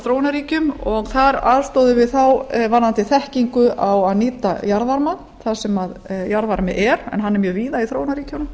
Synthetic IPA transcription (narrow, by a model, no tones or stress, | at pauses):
θɾoːwnaɾiːcʏmɔɣθaɾaðst̪ɔwðʏvɪðθawvanant̪ɪθɛhciŋkʏʔawaðniːt̪ajaɾðaɾman | θasɛmaðjaɾðvaɾmɪʔɛɾɛ̰nɦanːɛɾmjœːɣviːðaiθɾownaɾiːcanʏ